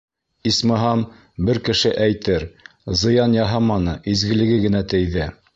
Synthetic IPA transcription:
ismɤ̆ɦɑm | bɘɾkɘ̆ʃɘʔæjt̪ɘɾ | zɤ̆jɑnjɑɦɑmɑnɤʔizɡɘ̆lɘ̆ɡɘɡɘ̆næt̪ɘ̆jðɘ

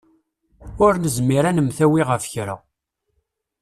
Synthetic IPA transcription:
ʊɾnəzmiɾænəmθæwiʁəfçɾa̰

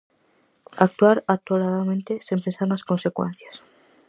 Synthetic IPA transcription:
ak̚t̪uaɾat̪olaðamẽnt̪esimpensaɾnasko̞nse̞kwḛ̃n̟θjas

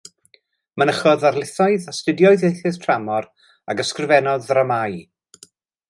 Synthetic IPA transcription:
mənəχɔðarlˠɪθɔɨðastɪdjɔɨðjejθɪðtʰramɔr | a̰ɡəskrɪvɛnɔðramaj

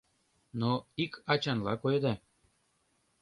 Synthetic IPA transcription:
noikʰɑt͡ɕɑnlɑkojd̪ɑ

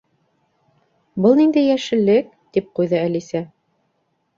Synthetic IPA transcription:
bɤlˠnind̪æjæʃɘ̆lːɘk̚ | t̪ip̚qujðɤælisæ

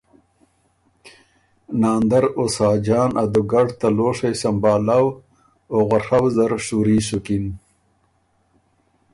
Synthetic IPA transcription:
naːnd̪aɾosɑːd͡ʑɑːnʔad̪uɡaɖt̪aloːʂejsambɑːlaw | oɣahawzaɾʂuɾiːsukin

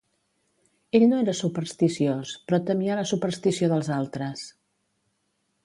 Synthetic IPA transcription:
eʎnoeɾəsupəɾst̪isiospɾɔt̪əmiələsupəɾst̪isioðəlˠzalˠt̪ɾəs

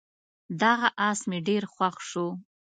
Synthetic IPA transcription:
d̪ɑɣaʔɑsmeɖeɾxwaxʃo

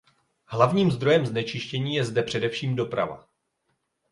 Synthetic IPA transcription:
ɦlavɲiːmzd̪ɾo̞jɛmznɛt͡ʃɪʃcɛɲiːjɛzdɛpr̝̥ɛdɛfʃiːmdo̞pɾa̰va̰

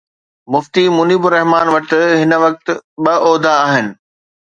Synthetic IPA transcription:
mʊft̪imʊniːbʊɾɛɦmaːnʋɐt̪̆ɦɪnə̆ʋɐk̚t̪̆ɓɐʔɔːd̪ʱaːɦɪnɪ̆

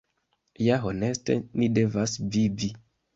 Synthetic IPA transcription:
jaɦone̞ste̞̰nide̞vasvivi

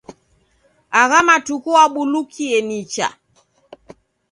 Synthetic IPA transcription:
aɣamatukuaɓulukʰiɛnit͡ʃa̰

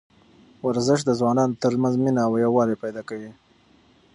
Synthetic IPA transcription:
waɾzɪʃd̪əzwɑnɑnot̪əɾmanzminaːwjawɑɾepajd̪ɑkawi

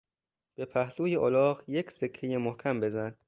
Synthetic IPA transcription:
b̥epʰæhluːjeʔolɒːɣje̞cʰse̞kʰːejemohcʰæmbe̞zæn̥

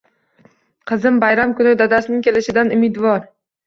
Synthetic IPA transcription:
qʰɨzɪmbajɾamkʰʊnɪd̪ad̪asnɪŋʲkʲʰe̞lɪʃɪd̪anʊmɪd̪vɒɾ

